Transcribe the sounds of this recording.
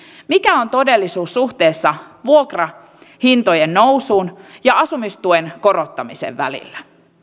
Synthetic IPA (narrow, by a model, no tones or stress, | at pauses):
mikæo̞nt̪o̞de̞lːisuːsːuht̪e̞ːsːɑʋuokrɑ | hint̪ojenːousuːnjɑɑsumist̪uenko̞ɾo̞t̪ːɑmisḛʋːæ̰lḭlːæ